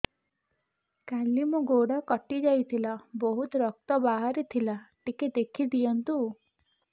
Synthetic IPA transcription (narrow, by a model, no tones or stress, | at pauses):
kalimuɡoɽakɔʈid͡ʒajt̪ʰilabɔɦut̪ɾɔk̚t̪ɔbaɦaɾit̪ʰilaʈiked̪ekʰid̪ijɔnt̪u